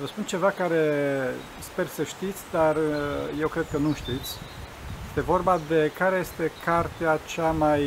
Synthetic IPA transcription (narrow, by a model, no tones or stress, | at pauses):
vəspunt͡ʃe̞vakaɾe̞ | spe̞rsəʃt̪it̪sʲd̪arje̞wkɾe̞d̪̚kənuʃt̪it̪sʲ | jest̪e̞vo̞rbad̪e̞kaɾe̞je̞st̪e̞kʰart̪eat͡ʃamaj